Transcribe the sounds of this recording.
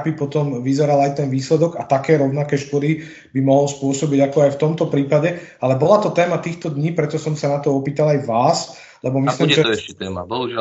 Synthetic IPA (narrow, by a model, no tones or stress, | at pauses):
bipɔt̪ɔmʋizɛɾalajt̪ɛnʋiːslɛd̪ɔɡat̪akɛːɾɔʊnakɛːʃkɔd̪i | bimɔɦlspʊɔsɔbiɟakɔajft̪ɔmt̪ɔpɾiːpaɟɛ | alɛbɔlat̪ɔt̪ɛːmat̪iːxt̪ɔd̪ɲiːpɾɛt̪ɔsɔmsanat̪ɔɔpiːt̪alajʋaːs | lɛbɔmisliːmʒɛɛːbɔɦuʒ